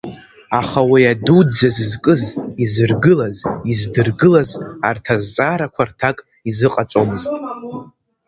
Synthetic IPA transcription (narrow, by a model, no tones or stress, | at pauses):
aχawiadud͡zazɨzkʼɨzizɨrɡɨlazizdɨrɡɨlazartʰazːʼaɾakʷʰartʰakʼ | izɨqʼat͡sʷʼomɨztʼ